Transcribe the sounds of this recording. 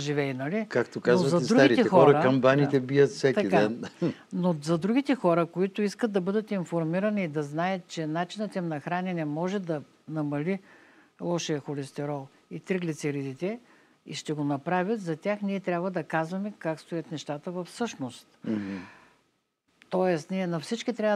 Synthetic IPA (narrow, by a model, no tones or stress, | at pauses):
ʒivɛinɐlikakt̪okazovɐzɐɛd̪ɾuaɡiɾit̪ɛɛxɔɔɾəɾkɐmbanit̪ɛbiət̪fsʲɛkt̪ɐidk̪ɛnnozɐd̪ɾuɡʲit̪ɛxɔɾəkoit̪ʊiskət̪̚d̪ɐbɤd̪ət̪infoɾmiɾɐniːd̪ɐznajət̪̚t͡ʃɛnat͡ʃinət̪ɛmnɐxɾanɛnɛmɔʒɛd̪ɐ | nɐmɐli | lˠɔʃijɐxolɛst̪ɛɾɔlˠ | it̪ɾəɡlit̪sɛɾid̪it̪ɛ | ḭʃt̪ɛɡonɐpɾavʲət̪zɐt̪ʲaxniɛt̪ɾʲabvɐd̪ɐkazvɐmɛkakst̪ojɐt̪nɛʃt̪at̪əvɐfsɤʃnost̪ | t̪ɔɛst̪niɛnɐfsit͡ʃkit̪ɾʲa